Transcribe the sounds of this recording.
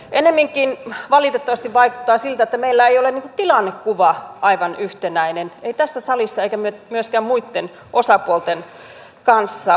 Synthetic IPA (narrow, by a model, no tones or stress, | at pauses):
ʔenemːiŋkˑinʋɑlit̪et̪ːɑʋɑst̪iʋʋɑiku̥t̪ːɑːsilt̪æet̪ːæmeilːæeijoleniːŋku̥t̪ilɑnːekkuʋɑʔɑiʋɑnyht̪enæineneit̪æsːæsɑlisːɑeikæmyøtmyøskæmmuit̪ːen | ʔosɑpuolt̪en | kɑnsːɑ